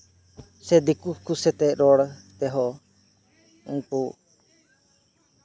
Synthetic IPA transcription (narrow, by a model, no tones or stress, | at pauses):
sɛd̪ikukusɛt̪ɛɾɔɽt̪ɛɦɔ | uŋku